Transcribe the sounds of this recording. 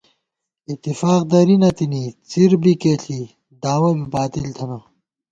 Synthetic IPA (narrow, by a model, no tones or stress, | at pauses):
it̪ːifaːq̚d̪ɐɾinɐt̪init͡siɾbikeːɬʰi | d̪aːwɐbibaːt̪ilt̪ʰɐnɐ